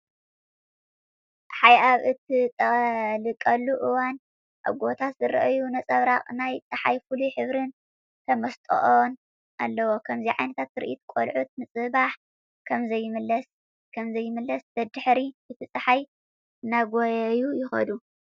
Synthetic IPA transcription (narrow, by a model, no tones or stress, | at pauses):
ħajʔaβʔɨt̪ʰit̪ʼɐlɨkʼɐlːuʔɨwan | ʔa̰βɡo̞t̪ʰat̪zɨɾɐʔjunɐt͡sʼɐβɾaχʼnajt͡sʼɨħajfuluħɨβɾɨn | t̪ʰɐmɐst̪ʼo̰ʔon | ʔa̰lːɐwokʰɐmziʕajnɐt̪ʰat̪ɨɾʔit̪kʼo̰lʕut̪̚mɨt͡sʼɨbaħ | kʰɐmzɐjːɪmɨlɐs | kʰɐmzɐjːɪmɨlːɐsb̪ɐd̪ɨħɾiɨt̪ʰɨt͡sʼɐħaj | ɨnaɡojɐjujɪxɐ̰d̪u